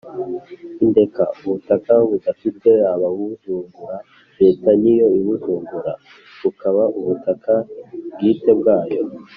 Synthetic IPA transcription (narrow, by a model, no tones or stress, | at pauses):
inde̞ka̰uβutakaβudafite̞aβaβuuzuːŋɡuɾa | ɾe̞ːtanijo̞iβuzuːŋɡuɾa̰ | βukʰaβaʔuβutakʰabɡiːte̞bɡaːjo̞̰